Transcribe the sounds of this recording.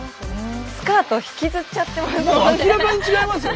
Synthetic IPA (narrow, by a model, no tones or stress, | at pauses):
sɨ̥kaːt̪oçi̥kʲizɨt͡ɕat̪ːe̞masɨkʲiɾabaɲit͡ɕiɡaimasɨ